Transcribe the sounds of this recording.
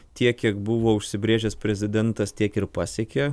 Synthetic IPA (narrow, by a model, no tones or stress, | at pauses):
t̪ʲiɛkʲːiɛkbʊʋoːʊʃʲsʲɪbʲɾʲeːʒʲɛspʲɾʲɛzʲɪd̪ʲɛnt̪ɐst̪ʲiɛkɪɾpɑːsʲɛːkʲe